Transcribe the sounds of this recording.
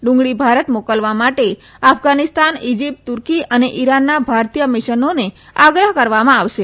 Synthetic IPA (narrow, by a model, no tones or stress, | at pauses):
ɖʊ̃ŋɡɭibʱaɾət̪mokəlʋamaʈe | afɡanist̪anid͡ʒip̚ʈt̪uɾkiəneʔiɾanːabʱaɾt̪ijəmɪʃənoneaɡɾəɦkəɾʋamãaʋʃe